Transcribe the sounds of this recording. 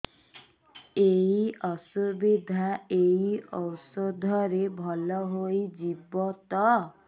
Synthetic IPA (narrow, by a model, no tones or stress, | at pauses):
eiɔsubid̪ʱaejiɔwsɔd̪ʱɔɾebʱɔlɔɦojd͡ʒibɔt̪ɔ